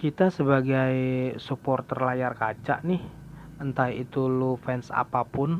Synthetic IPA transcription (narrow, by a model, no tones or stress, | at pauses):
kit̪asəbaɡajsupɔrt̪ərlajarkat͡ʃa̰ʔnɪh | ənt̪ajit̪ulufɛnsa̰papʊn